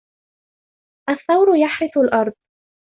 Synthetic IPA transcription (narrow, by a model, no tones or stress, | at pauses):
ʔaθːɑwɾʊjaħɾɪθʊlʔɑɾˤd̪̚ˤ